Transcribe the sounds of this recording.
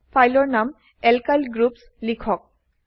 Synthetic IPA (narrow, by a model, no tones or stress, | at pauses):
pʰajlɔɹnam | ɛlkajlɡɹups | likʰɔk̚